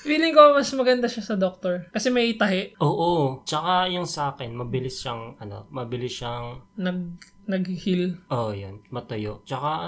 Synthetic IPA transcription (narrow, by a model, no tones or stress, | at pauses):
wiːlɪŋkoɐmɐsmɐɡɐnd̪aʃasɐd̪ok̚t̪oɹkɐsɛmɐjɪt̪ɐɦɛʔʔoːʔot͡ʃɐkajʊŋsɐʔaːkɛnmɐbɪlɪsʃɐŋʔɐno̞̰mɐbɪlɪsʃɐŋnɐɡ̚ | nɐɡ̚hɪhilʔojonmɐt̪ɐjo̰ʔt͡ʃɐka